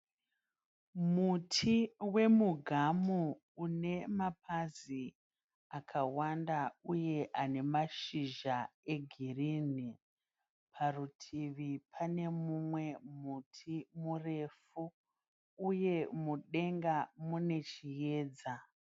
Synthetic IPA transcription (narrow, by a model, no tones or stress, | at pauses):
mutʰiwe̞muɡʱamuː | ne̞map̚azi | akʰawandauje̞ʔane̞maʃiʒae̞ɡʱiriːni | pʰarutʰiʋipʰane̞mumwe̞mutʰimure̞fuː | je̞muɗe̞ŋɡamune̞t͡ʃije̞ːd͡za